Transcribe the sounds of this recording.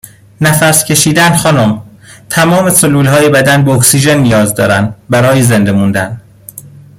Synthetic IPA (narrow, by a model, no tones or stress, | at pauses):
næfæɾscʲʰe̞ʃiːd̪ænxɒːnom | t̪ʰæmɒːme̞soluːlhɒːjebæd̪ænbeoksiːʒenːijɒːzd̪ɒ̰ːɾænd̪bæɾɒːjezend̪e̞mund̪æn